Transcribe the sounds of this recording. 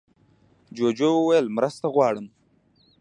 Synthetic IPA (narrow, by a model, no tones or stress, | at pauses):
d͡ʒoːd͡ʒowəwajəlmɾast̪aɣwɑːɽəm